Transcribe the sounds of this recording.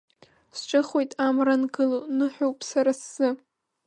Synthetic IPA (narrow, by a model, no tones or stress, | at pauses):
st͡ʃʼaχojtʼamranɡɨlonɨħᶣowpʼsaɾasːɨ